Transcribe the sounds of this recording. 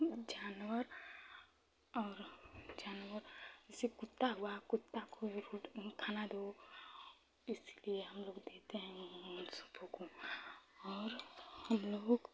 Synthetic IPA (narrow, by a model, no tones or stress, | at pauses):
d͡ʒaːnwəɾ | ɔːɾd͡ʒaːnwəɾsekʊt̪ːaɦuakʊt̪ːakoɾuːʈkʰaːnad̪oː | ɪslieɦɐmloːɡd̪eːt̪eɦɛ̃nsʊ̥bʰʱokõ | ɔːɾhɐmloːɡ